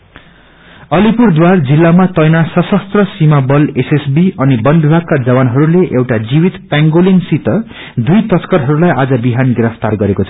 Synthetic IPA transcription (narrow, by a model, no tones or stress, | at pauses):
ʌlipurd̪ward͡zilːamat̪ʌjnasʌsʌst̪rʌsimabʌlesesbiʌnibʌnd̪bʱakkːad͡zʌbanɦʌɾuleʔewʈad͡ziwit̪paŋɡolinsit̪ʌ | d̪ujt̪ʌt̪kʌɾɦʌɾulajʔad͡zʌbiɦanɡiɾʌpt̪arɡʌɾekot͡sʰʌ